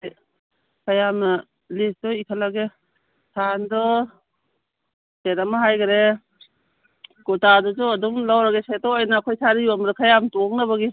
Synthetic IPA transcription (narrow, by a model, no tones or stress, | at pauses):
kʰajama | lisdɔikʰalaɡe | sʰandɔ | setamaɦajɡaɾe | kutadɔzɔadumlawɾaɡeset̚ɔajnaːkʰojsaɾiamɾekʰajamtɔŋ̚naβaɡi